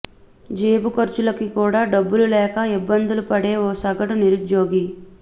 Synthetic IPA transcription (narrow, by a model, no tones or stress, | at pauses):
d͡ʒeːbukɐɾt͡ʃulɐkikuːɽaːɖɐbːululɛːkɐibːɐnd̪ulupɐɽe̞ːoːsɐɡɐʈuniɾud͡ʒoːɡi